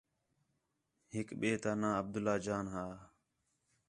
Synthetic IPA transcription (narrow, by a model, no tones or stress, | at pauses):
ɦɪkɓeːt̪aːnãːəb̚d̪ʊlaːd͡ʒaːnɦaː